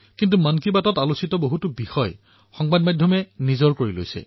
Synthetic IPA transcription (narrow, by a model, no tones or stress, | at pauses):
kint̬umankibatɔtalusitɔboɦutubixɔj | xɔŋbadmadʱjɔmɛnizɔɹkoɹilo̰jsɛ̰